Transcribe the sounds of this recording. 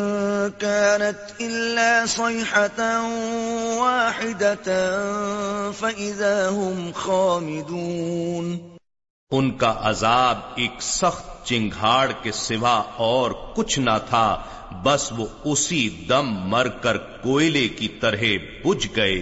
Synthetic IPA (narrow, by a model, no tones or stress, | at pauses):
kaːnat̪ʔɪlːaːsˤɑːħa | waːħɪd̪a | faʔɪðaːɦʊmxaːmɪd̪uːn | ʊnkaʔɐzaːb̚eːksɐxt̪̚t͡ʃɪ̃ŋɡʱɦaːɽkesɪʋaɔːɾkʊt͡ʃʰnat̪ʰaː | bɐsʋoʊsid̪ɐmːɐɾkəɾkoːɪlekit̪ɐɾɦe | bʊd͡ʒɡɐeː